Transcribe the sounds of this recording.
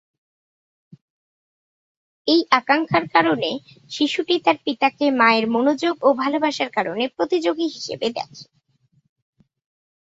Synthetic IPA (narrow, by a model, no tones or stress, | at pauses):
ejʔakaŋkʰaɾkaɾone | ʃiʃuʈit̪aɾpit̪akemaeɾmonod͡ʑoɡobʱalobʱaʃaɾkaɾonepɾot̪id͡ʑoɡiɦiʃḛbed̪ɛ̰kʰe̥